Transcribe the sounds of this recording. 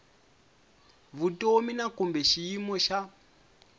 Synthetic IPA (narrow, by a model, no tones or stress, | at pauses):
βutominakumbɛʃiimɔʃa